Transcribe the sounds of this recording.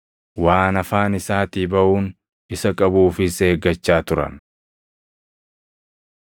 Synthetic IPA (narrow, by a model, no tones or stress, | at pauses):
waːnɐfaːnɪsaːt̪iːbɐʔuːn | ɪsɐkʼɐbuːfɪseːɡːɐt͡ʃːaːt̪ʊɾɐ̰n